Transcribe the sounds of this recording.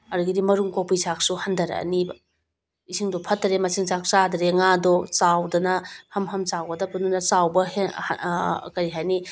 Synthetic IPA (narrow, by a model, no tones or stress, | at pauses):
ɐɾuɡidimɐɾuŋkowpisak̚suhɐndɐɾɐ̰ɐ̰nibɐ | isʰiŋdɔpʰɐtːɐɾemɐsiŋsak̚t͡ʃadɐɾeŋadɔt͡ʃawdɐnɐhɐmɦɐmt͡ʃawɡɐdɐpununɐsawbɐhe | kɐɾiɦajni